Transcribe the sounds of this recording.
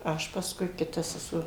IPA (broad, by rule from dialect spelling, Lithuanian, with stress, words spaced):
ˈɐʃ pɐsˈkʊɪ kʲɪˈtɐ sʲɛˈsuɔ